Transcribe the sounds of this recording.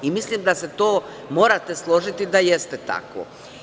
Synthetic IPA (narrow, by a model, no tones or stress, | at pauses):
imislimd̪ase̞t̪o̞ː | mo̞ːɾat̪e̞slˠo̞ʒit̪id̪ajest̪et̪a̰ko̰